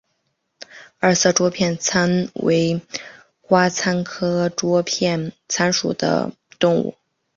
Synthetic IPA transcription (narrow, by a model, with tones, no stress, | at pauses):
ə˞˥˩s̩˥˩ʈ͡ʂwɔ˥pʰjɛ˥˩nt͡sʰa˥nwḛ˧˥ɪ | kwa˥t͡sʰa˥nkʰɤ˥ʈ͡ʂwɔ˥pʰjɛ˥˩n | t͡sʰa˥nʂṵ˨˩d̪ə̰˦ | t̪ʊ˥˧ŋṵ˥˩